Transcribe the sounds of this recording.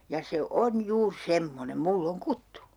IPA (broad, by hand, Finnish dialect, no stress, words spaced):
jɑ se on juːr semːonem mulː oŋ kutːu